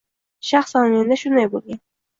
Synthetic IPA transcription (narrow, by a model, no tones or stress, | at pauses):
ʃaχsɑnmend̪aʃʊnd̪ajbolˠɡʲan